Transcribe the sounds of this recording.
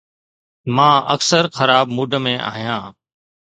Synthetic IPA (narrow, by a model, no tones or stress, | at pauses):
mãːʔəksəɾxəɾaːbmuːɖʱəmẽːʔa̰ːɦijãː